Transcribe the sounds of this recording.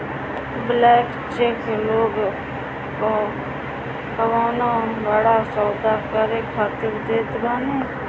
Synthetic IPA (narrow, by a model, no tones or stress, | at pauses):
blɛːk | t͡ʃeːkloːɡ | ko | kəʋaːnaːʋaːɽaːsɔːd̪aːkəɾeːkʰaːt̪ɪɾd̪eːt̪ɡaːneː